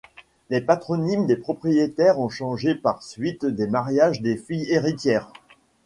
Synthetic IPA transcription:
lepat̪χɔnimd̪epχɔpχijet̪ɛʁɔ̃ʃɑ̃ʒepaʁsɥit̪d̪emaʁjaʒd̪efijeʁit̪jɛːʁ

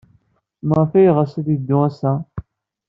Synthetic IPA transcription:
mʁfæjʁasæðid̪ːʊæsæ

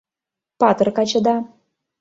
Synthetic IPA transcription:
pɑt̪ɤ̆rkɑt͡ɕɤ̆d̪ɑ

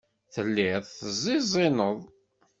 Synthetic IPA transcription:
θəlːiðˤθəzˤːizˤinəðˤ

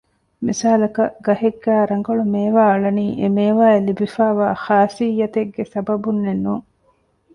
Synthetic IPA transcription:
mḭsaːlɐkɐʔɡɐɦeɡːæːɾɐŋɡɐɭumeːʋaːɐɭɐniːʔemeːʋaːelibifaːʋaːxaːsijːɐt̪eɡːesɐbɐbunːenːuːŋ

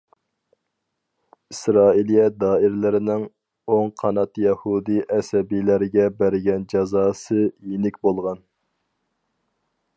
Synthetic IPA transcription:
isɾɑːilijɛd̪ɑːɪɾlɪɾɪnɪŋ | oŋqʰɑnɑt̪jɛhud̪iʔɛsɛbijlæɾɪɡʲɛbæɾɡʲɛnd͡ʒɑzɑːsɨjenɪkʲbolˠʁɑn

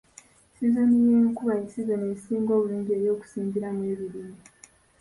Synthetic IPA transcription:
sizenijeːŋkuβaisizenesiːŋɡo̞ːβuliːɲɟie̞ɾjo̞ːku̥siːmbiɾamweβiɾiːmi

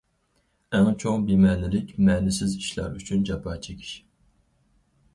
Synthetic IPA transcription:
ɛŋt͡ʃʰoŋbimɛːnɪlɪkʲmɛːnɪsɪziʃlˠɑ̰ɾyt͡ʃʰynd͡ʒɑpʰɑːt͡ʃʰekʲʰi̥ʃ

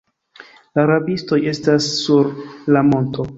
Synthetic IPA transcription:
laɾabisto̞je̞stasːuɾlamo̞nto̞

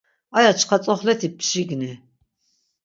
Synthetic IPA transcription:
ajat͡ʃʰqʰat͡sʼɔχlɛt̪ʰipʰʃiɡni

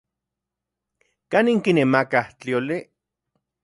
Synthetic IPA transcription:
kaniŋkinemakaht͡ɬioli

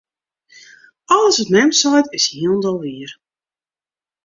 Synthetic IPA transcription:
ɔlˠəsʋɔtnɛmtsɔjtɪshiəlˠndɔlˠʋiər

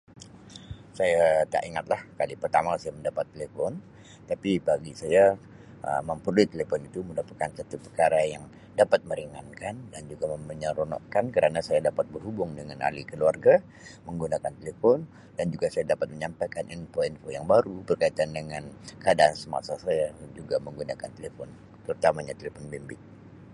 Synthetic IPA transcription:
sajat̪a̰ʔiŋat̪̚lahkalipərt̪amasajaməndapat̪ːelefɔn | t̪apibaɡisaja | ʔə̰məmpəɾulit̪ːelefɔnit̪umədapat̪̚kansat̪upərkaɾajaŋ | dapat̪̚məɾiŋankandand͡ʒuɡaməməɲəɾonɔ̰ʔkankəɾanasajadapat̪̚bərɦubʊŋdəŋana̰likəluarɡa | məŋɡunakant̪elefɔn | dand͡ʒuɡasajadapat̪̚məɲampajkaninfoinfojaŋbaɾubərkait̪andəŋankəadaʔːnsəma̰sasajad͡ʒuɡaməŋɡunakant̪elefɔn | t̪əɾut̪amaɲat̪elefɔnbimbɪt̪̚

